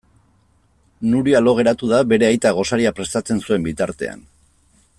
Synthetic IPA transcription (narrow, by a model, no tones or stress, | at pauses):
nuɾialo̞ɣ̞e̞ɾat̪uðaβe̞ɾe̞ajt̪aɣ̞o̞saɾiapɾe̞st̪at͡se̞nsue̞mbit̪aɾt̪e̞̰a̰n